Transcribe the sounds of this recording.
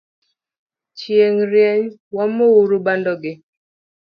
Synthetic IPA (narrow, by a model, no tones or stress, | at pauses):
t͡ʃjeŋɾjɛɲwamowuɾubandɔɡɪ